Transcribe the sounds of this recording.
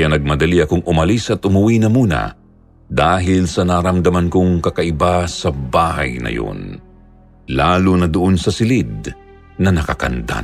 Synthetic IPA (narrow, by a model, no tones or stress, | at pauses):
janɐɡ̚mɐd̪ɐliɐkoŋʔʊmɐlisʔɐt̪ʊmʊwinɐmuːnɐ̰ | d̪aːɦɪlsɐnaɾɐmd̪ɐmɐnkoŋkɐkɐʔɪbasɐbaːhɐ̰jnɐ̰jo̰n | laːlʊnɐd̪ʊʔo̞nsɐsɪlɪd̪̚ | nɐnɐkɐkɐ̰nd̪a̰